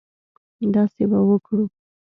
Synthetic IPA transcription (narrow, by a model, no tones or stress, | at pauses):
d̪ɑsebawəkɽu